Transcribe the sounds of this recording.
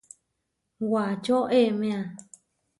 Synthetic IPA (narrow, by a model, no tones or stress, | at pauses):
wat͡ʃoʔemẽã